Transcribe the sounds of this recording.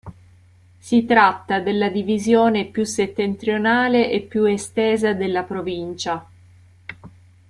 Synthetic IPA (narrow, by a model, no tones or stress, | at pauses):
sit̪ɾat̪ːad̪elːad̪ivizjoːnepjuset̪ːent̪ɾjonaːleʔepːjuest̪eːzad̪elːapɾovint͡ʃa